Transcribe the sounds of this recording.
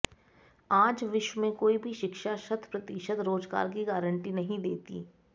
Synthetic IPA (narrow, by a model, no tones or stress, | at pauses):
aːd͡ʒʋɪʃwəmẽkoːibʱiʃɪkʃaʃɐt̪ʰpɾɐt̪iʃət̪ɾoːd͡ʒɡa̰ːɾk̬iɡaːɾəɳʈinɐɦĩd̪eːt̪ḭː